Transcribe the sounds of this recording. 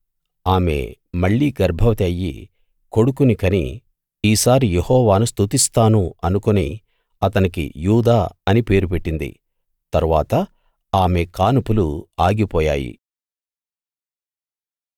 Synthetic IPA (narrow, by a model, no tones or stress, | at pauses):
aːme̞̰ | mɐɭːiːɡɐɾbʱɐʋɐt̪ɐjːḭ | ko̞ɽukunikɐnḭ | iːsaːɾijehɔːʋaːnust̪ut̪ist̪aːnuɐnukonḭ | ɐt̪ɐnikḭjuːd̪aːɐnipe̞ːɾupe̞ʈːind̪ḭ | t̪ɐɾuʋaːt̪ɐ | aːme̞kaːnupuluaːɡipɔːja̰ːjḭ